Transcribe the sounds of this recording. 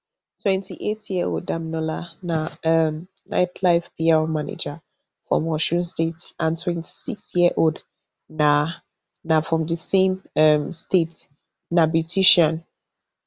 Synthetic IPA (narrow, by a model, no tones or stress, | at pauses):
tʰwɛ̃ntʰiʔetjio̰ldãmnɔlanaʌm | nʔa̰ɪtʰlaɪvpiamanḛd͡ʒa | fɹɔ̰̃mɔʃũnstetʔãntʰwɛ̃ntʰi̥siksjiəʔod | na | nafɹɔ̃mdəsẽmʌmstet | nabjutʰiʃãn